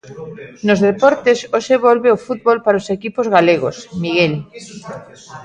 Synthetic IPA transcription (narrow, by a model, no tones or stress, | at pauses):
nozðepɔɾt̪esoʃeβɔlβeofut̪̚βolpaɾaosekipozɣaleɣo̰smiɣel